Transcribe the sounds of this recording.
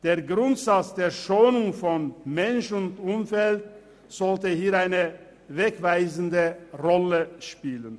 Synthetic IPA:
d̥eːɐɡʁʊntz̥at͡sd̥eːɐʃoːnʊŋfɔnmɛnʃʊntʊmfɛlt̚ | z̥ɔltəhiːɐaɪnə | vɛkv̥aɪzn̩dəʁɔləʃpiːlən

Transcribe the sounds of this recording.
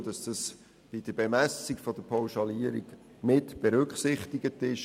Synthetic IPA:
d̥ɑsd̥ɑs | b̥id̥əbemæsikfɔd̥əpʰɔʊʃɑliəɾḭɡ | mɪtb̥eɾʏkχsɪχtiɡətɪʃ

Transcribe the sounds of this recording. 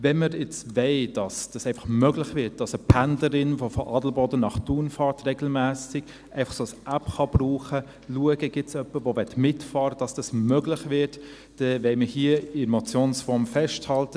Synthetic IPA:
vɛnməɾɪt͡svɛɪd̥ɑsd̥ɑsɛɪnfɑ̥χmøɡlɪχvɪt̚d̥ɑsəpʰændləɾɪnʋofɔʔɑːdl̩bɔdənɑχtuːnfɑːɾtreɡl̩mæːsɪɡ̥ | ʔɛɪfɑ̥χsoːsʔæpχɑb̥ruːχə | luəɡəɡ̥ɪtsœpːəʋoʋɛtmɪtfɑːɾəd̥ɑsd̥ɑsmœɡlɪχvɪɾt | d̥ɛvɛɪməhiəɪmɔt͡sjoːnsfɔɾmfɛʃthɑltə

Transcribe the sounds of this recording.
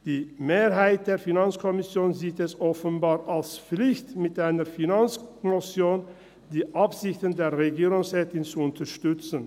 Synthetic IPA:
d̥iːmeːʁɦaɪt̚d̥eːɐfinant͡skʰɔmɪsjoːnziːtɛsʔɔfənbaːʁʔalsp͡flɪçtmɪtʔaɪnəfinant͡sknɔsjoːn | d̥iːʔapz̥ɪçtən̩deːɐʁeɡiːʁʊŋsʁɛːtɪnt͡suʊntʰɐʃtʏt͡sən̩

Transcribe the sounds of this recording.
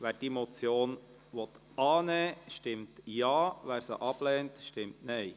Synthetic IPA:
ʋæːɾd̥imɔt͡sjoːn | ʋɔt̪ | ɑːnɛːʃtɪmtjɑːʋæːɾsə̰ʔɑb̥lɛːntʃtɪmtnɛj

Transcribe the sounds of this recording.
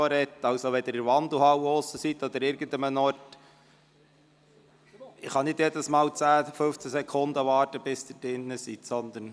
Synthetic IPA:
oɾɛt̪ːɑwsoʋɛd̪əɾɪɾʋɑnd̪l̩hɑwosəsit̪ɔd̪əɾɪːɾɡ̥ən̩d̪əmənɔɾt | ɪχɑnɪdjɛd̪əsmɑːlt͡sæːfɵft͡sæsɛkʰond̪əʋɑːɾtəb̥ɪsd̪ədɪnːəsit̪sɔnd̪ən

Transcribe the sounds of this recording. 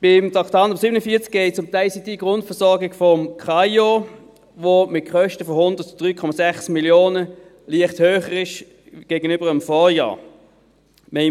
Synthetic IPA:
b̥ɪmtɑktɑːndəsibənəfiːɐt͡sk̚ɛɪt͡sʊmtaɪlsid̥iɡ̥ʁʊntfəɐsɔɐɡɪɡ̥fɔmkχɑjo | ʋomɪt̚kʰχœʃtəfɔhʊndətd̥ʁyːkʰɔmɑsɛχsmiljoːnə | liəχthøːχəʁɪʃ | ɡ̥eːɡənʏbəʁəmfɔːjɑ̰ː | mɛ

